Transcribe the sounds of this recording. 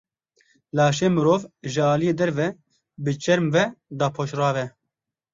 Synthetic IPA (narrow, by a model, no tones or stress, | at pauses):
lɑːʃeːmɨɾoːvʒɨɑːlijeːd̪ɛɾvɛ | bɨt͡ʃɛɾmvɛd̪ɑːpʰoːʃrɑːvɛ